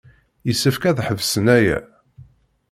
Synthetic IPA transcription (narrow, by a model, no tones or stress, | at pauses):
jəsːəfkæðħəvsənæjæ̰